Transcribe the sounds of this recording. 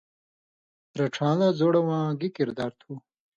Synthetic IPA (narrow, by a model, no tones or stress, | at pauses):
ɾɐʈ͡ʂʰãːlazoːɽɐwãːɡikiɾd̪aːɾt̪ʰu